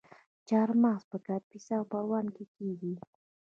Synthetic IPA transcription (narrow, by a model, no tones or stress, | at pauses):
t͡ʃaɾmaspakapɪsawpawamkɪkiɡi